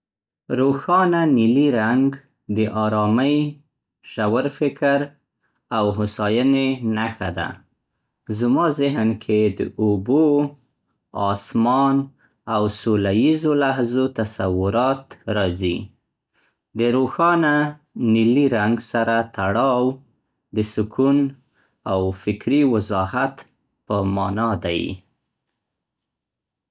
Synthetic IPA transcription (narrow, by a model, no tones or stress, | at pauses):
ɾoxɑnaniliɾaŋɡ | d̪əʔɑɾɑmaj | ʃawaɾfɪkʰɾ | awɦʊsɑjənenaxa̰d̪a̰ | zəmɑzɪɦnkʰed̪ə̰obo | ɑsmɑn | awsolajizolaɦzot̪asawʊɾɑt̪ɾɑzi | d̪əɾoxɑna | nɪliɾaŋɡsaɾat̪aɽɑw | d̪əsʊkʰun | awfɪkɾiwɪzɑhat̪ | pəmɑnɑd̪aj